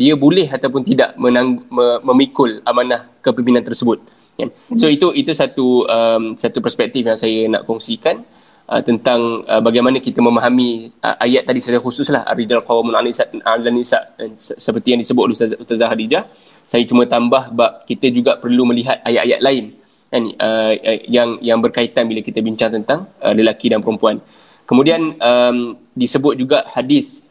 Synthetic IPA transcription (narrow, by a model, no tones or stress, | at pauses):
diəbolɛhat̪aup̬ʊnt̪ida̰ʔmənaŋɡməməmikʊlamanahkəpimpinãnt̪ərsəbʊt̪̚ | kansoit̪uʔit̪usat̪uəmsat̪upərspɛk̚t̪ifjaŋsajəna̰ʔkɔŋsikan | ʔə̰t̪ənt̪aŋəbaɡajmanəkit̪əmə̃maɦamiʔə̰ʔajaʔ̪ːadisaəxusʊslaha̰rid͡ʒalqawamunanisaʔalanisaʔsəpərt̪ijaŋdisəbʊt̪̚uust̪azahadid͡ʒah | sajət͡ʃumət̪ambahbap̚kit̪əd͡ʒuɡaʔpərluməliɦat̪̚ajaʔaja̰ʔ̪̚laɪn | kanəjaŋjaŋbərkait̪anbilakit̪əbiɲt͡ʃaŋt̪ənt̪aŋələlakidanpəɾəmpuan | kəmudianəm | disəbʊt̪̚d͡ʒuɡaʔhadɪθ